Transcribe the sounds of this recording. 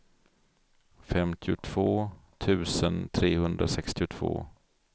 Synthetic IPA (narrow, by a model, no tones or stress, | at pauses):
fɛmt̪ʰɪʊt̪ʰv̥oːt̪ʰʉ̟ːsənt̪ʰɾeːhɵnd̪ɾasɛkst̪ɪʊt̪ʰv̥o̰ː